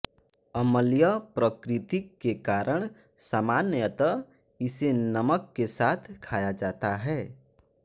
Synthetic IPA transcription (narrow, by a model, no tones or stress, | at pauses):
əməljəpɾəkɾɪt̪ikːekaɾəɽ̃samanjət̪əɪsenəməkːesaːt̪ʰkʰaːjad͡ʒaːt̪aɦɛ